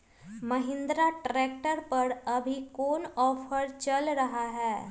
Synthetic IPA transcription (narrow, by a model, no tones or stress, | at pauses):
məɦɪ̃nd̪ɾaʈɾeːk̚ʈəɾpəɾəbʱikoːnɔːfʰəɾt͡ʃəlɾəɦaɦɛː